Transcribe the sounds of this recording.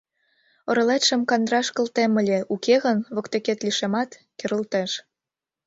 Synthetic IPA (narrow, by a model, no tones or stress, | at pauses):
ɤ̆ɾɤ̆let̪ʃə̆mkɑnd̪ɾɑʃkə̆lt̪emə̆lʲeʔukʰeɣənβɤ̆kt̪eket̪liʃemɑt̪keɾə̆lt̪eʃ